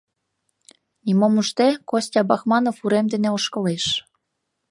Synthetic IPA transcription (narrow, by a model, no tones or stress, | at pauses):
nimomuʃt̪ekosʲt̪ʲɑbɑxmɑnofuɾemd̪eneoʃkɤ̆leʃ